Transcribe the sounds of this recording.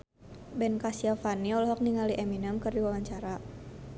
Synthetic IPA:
bɛnkasiafaniɔlɔɦɔk̚niŋaliʔɛminəmkɨrdiwawaɲt͡ʃaɾa

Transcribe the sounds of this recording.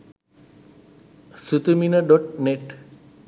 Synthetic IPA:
sut̪uminəɖɔʈ̚neʈ

